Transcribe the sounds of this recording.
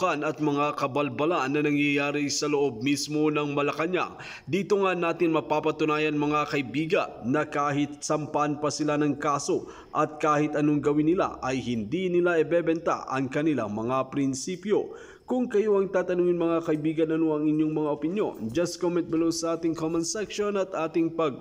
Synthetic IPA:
ɐnɐt̪̚mɐŋakɐbɐlbɐlaʔnːɐnɐŋjɐjaːɾɪsɐloʔo̞b̚mismo̞nɐŋmɐlɐkɐɲa̰ | d̪iːt̪oŋanːaːt̪ɪnmɐpaːpɐt̪ʊnaːjɐnmɐŋakɐʔɪbiːɡɐ̰nːɐkaːɦɪt̪̚sɐmpɐʔɐnpɐsɪlanɐŋkaːso̞ | ʔɐt̪̚kaːhɪt̪ʔɐnoŋɡɐwɪnːɪla̰ʔɐjhɪnd̪inɪlaʔɛbɛbɛnt̪a̰ʔɐ̰ŋkɐnɪla̰ŋmɐŋapɾɪnsiːpjo̞ | kʊŋkɐjoʔɐŋt̪aːt̪ɐnuːŋɪnmɐŋakɐʔɪbiːɡɐnɐnoʔɐŋɪɲjoŋmɐŋaʔopɪnjo̞̰nd͡ʒɐst̪komɛnt̪̚bɪlowsɐʔaːt̪ɪŋkomɐnsɛkʃonɐt̪ʔaːt̪ɪŋpɐɡ̚

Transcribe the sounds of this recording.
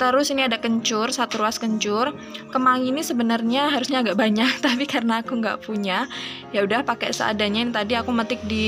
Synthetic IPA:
t̪əɾʊsiniadakəɲt͡ʃʊrsat̪uɾuaskəɲt͡ʃʊr | kəmaŋinisəbənərɲaɦaɾusɲaːɡaʔbaɲak̚t̪apikarənaːkuŋɡa̰ʔpuɲajaudahpakɛsə̰ʔa̰daɲainit̪adiakumət̪ɪk̚di

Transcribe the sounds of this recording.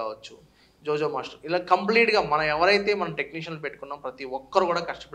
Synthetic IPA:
aːʋɐt͡ʃːu | d͡ʒoːd͡ʒomaːʂʈɐilaːkɐmpliːʈɡaːmɐnɐɛʋɐɾɐjt̪eːmɐnɐmʈekniːʃ̬ɐnlupe̞ʈːukunːaːmpɾɐt̪iɔkːɐɾukuːɽaːkɐʂʈɐ̥pe

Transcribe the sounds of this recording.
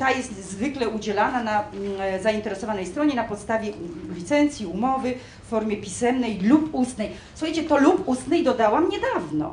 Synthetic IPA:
t̪ajɛst̪zvɘklɛud͡ʑɛlananazaint̪ɛɾɛsɔvanɛjst̪ɾɔɲɛnapɔt̪st̪avʲjɛlʲit̪sɛnt̪sʲjiumɔvɘ | fːɔɾmʲjɛpʲisɛmnɛjlupust̪nɛj | swxajt͡ɕɛt̪ɔlupust̪nɛjd̪ɔd̪awamɲɛd̪avnɔ̰

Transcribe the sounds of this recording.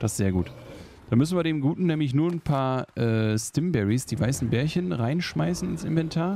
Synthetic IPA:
d̥asz̥eːɐɡuːt | d̥anmʏsn̩viːɐdeːmɡuːtn̩nːɛːmlɪç̬nuːɐnpʰaːɐʔɛːstɪmbɛʁisd̥iːvaɪsn̩bɛːɐçənʁaɪnʃmaɪsn̩ɪnsɪ̰nvɛntʰaːɐ

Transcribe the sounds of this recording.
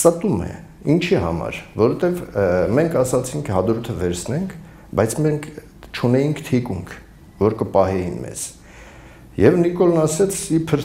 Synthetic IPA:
ɑt̪umɛ̰ | int͡ʃʰiɦɑ̰mɑ̰ɾvɔɾɛt̪ɛvmɛŋkʰɑsɑt͡sʰiŋkʰhɑd̪ɾut̪ʰəvɛɾsʰnɛŋkʰ | bɑjt͡sʰmɛŋkʰ | t͡ʃʰunɛjiŋkʰt̪ʰikuŋkʰ | vɔɾkəpɑɦɛjinmɛ̰z̥ | jɛvnikɔlnɑsɛt͡sʰipʰəɾ

